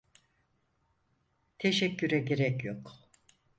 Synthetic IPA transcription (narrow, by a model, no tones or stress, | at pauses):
t̪ʰe̞ʃɛcːyɾɛɟe̞ɾɛcjok